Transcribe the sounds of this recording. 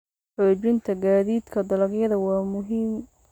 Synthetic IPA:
ħɔːd͡ʒɪnt̪ʰɐɡaːðiːd̪kʰɐd̪ɐlɐɡjɐðɐwɑːmʊɦiːm

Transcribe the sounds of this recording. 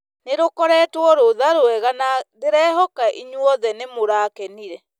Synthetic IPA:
neɾokɔɾɛːtwɔɾoðaɾoɛɣanadeɾɛːɦɔkaʔiɲwɔðɛnemoɾaːkɛniɾɛ

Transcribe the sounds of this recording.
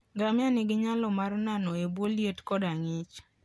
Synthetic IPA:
ɡamɪanɪɡɪɲalɔmarnanɔebwoljetkɔdaŋɪt͡ʃ

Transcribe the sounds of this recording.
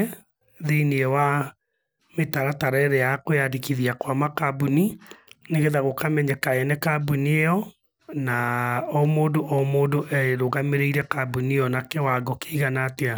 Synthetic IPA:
ðeiniɛwa | metaɾataɾɛɾɛjakojadekiðiakwamakabunineɣeðaɣokamɛɲɛkaɛnɛkabuniejɔ | naɔmoːndoʔɔmoːndoʔɛɾoɣameɾeiɾɛkabuniɔnakɛwaɡɔkeiɣanatea

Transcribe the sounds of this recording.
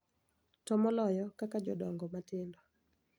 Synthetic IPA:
tɔmɔlɔjɔkakad͡ʒɔ̰dɔŋɡɔmatɪndɔ

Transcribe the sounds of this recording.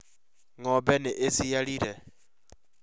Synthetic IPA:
ŋɔbɛnɛʔesijaɺiɾɛ

